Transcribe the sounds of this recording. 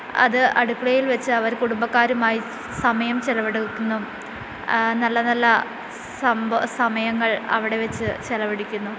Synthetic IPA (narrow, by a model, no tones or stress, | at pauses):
ɐ̰ðɨʔɐɽukːɐɭɐjilʋɐt͡ɕːɨɐʋɐɾkuɽumbɐkːaːɾumaːji | sɐmɐjɐmt͡ɕelɐʋɐɽukʲːunːu | nɐlːɐnɐlːɐ | sɐmsɐmɐjɐŋːɐɭɐ̰ʋiɽe̞ʋet͡ɕːɨt͡ɕelɐʋɐɽikʲːunːu